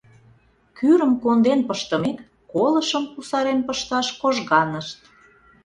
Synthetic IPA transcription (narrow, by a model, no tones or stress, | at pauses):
kyɾəmkond̪enpəʃt̪ə̆mik | kolə̆ʃəmusɑɾenpəʃt̪ɑʃkoʒɣɑnəʃt̪̚